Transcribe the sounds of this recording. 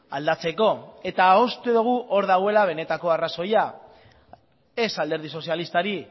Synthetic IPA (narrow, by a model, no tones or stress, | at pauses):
a̰ld̪at͡se̞ko̞e̞t̪aost̪uðuɣ̞uʔo̞ɾðaɣwe̞laβ̞e̞ne̞t̪ako̞araso̞ja | e̞sald̪e̞ɾð̞iso̞sjalist̪aɾi